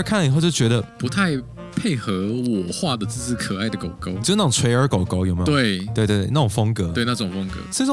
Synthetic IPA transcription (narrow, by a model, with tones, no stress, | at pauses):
kʰa˥˩nlə˨i˨˩xo˥˧ʊt͡ɕo˥˩t͡ɕɥɛ˧˥ɾə˧pu˧˦t̪ʰa˥˧ɪ | pʰe˥˩ɪxɤ˧˦wɔ˨˩xwa˥˧d̪ə˩t͡sɹ̩˥˧t͡sɹ̩˥˩kʰə˨˩a˥˩ɪd̪ə˩ko˨˩ʊko˥ʊ˧˥na˥˩˨t͡sʰwe˧˥ɪə˞˧˥ko˨˩ʊko˥ʊjo˨ʊme˧˦˥t̪we˥˩ɪt̪we˥˧ɪt̪w̪̬e˥˧na˥˩ʊ˨˩ŋfɤ˥ŋkɤ˧˦we˥˧ɪna˧˩ə˧˩ʊ˨˩fɔ˥ŋkɤ̰˧˦s